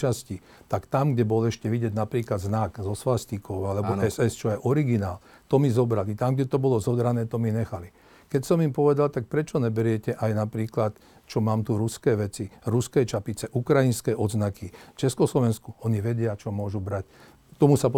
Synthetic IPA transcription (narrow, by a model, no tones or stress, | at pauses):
t͡ʃasci | t̪akt̪amɡɟɛbɔlɛʃcɛʋiɟɛɟnapɾiːklad̪znaɡzɔsʋast̪ikɔʊalɛbɔɛsɛst͡ʃɔjɛʔɔɾiɡinaːlt̪ɔmizɔbɾalit̪amɡɟɛt̪ɔbɔlɔzɔd̪ɾanɛːt̪ɔmiɲɛxali | kɛcsɔmimpɔʋɛd̪alt̪ak̚pɾɛt͡ʃɔɲɛbɛɾɪɛcɛʔajnapɾiːklat̪ | t͡ʃɔmaːmt̪uɾuskɛːʋɛt͡siɾuskɛjt͡ʃapit͡sɛʔukɾainskɛːʔɔd̪znakʰift͡ʃɛskɔslɔʋɛnskuɔɲiʋɛɟɪat͡ʃɔmʊɔʒubɾac̚ | t̪ɔmusapɔ